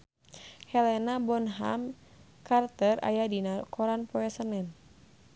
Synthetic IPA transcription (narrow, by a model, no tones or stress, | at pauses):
hɛlɛnabɔnɦa̰m | kart̪əra̰jadinakʰɔɾanpɔɛsənɛn